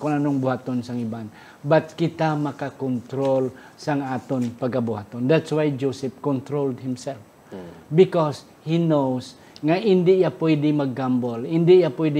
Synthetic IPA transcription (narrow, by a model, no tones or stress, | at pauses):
kʊnanoŋbʊhat̪onsaŋɪban | bat̪̚kɪt̪amakakɔnt̪ɾol | saŋaːt̪onpaɡ̚kabʊɦat̪ond̪at̪swajd͡ʒosɪp̚kɔnt̪ɾold̪̚hɪmsɛlf | bɪkɔs | hinows | ŋaʔɪnd̪ɪʔjapɔjd̪ɪmaɡːambolɪnd̪ɪʔjapɔjd̪ɪ